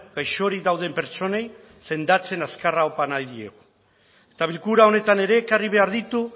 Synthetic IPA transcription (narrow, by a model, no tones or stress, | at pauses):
ɡajʃo̞ɾid̪awð̞e̞mpe̞ɾt͡so̞ne̞j | se̞nd̪at͡se̞naskaraopanajðie̞̰ɣu | et̪aβ̞ilkuɾao̞ne̞t̪ane̞ɾe̞ːkariβ̞e̞aɾðit̪u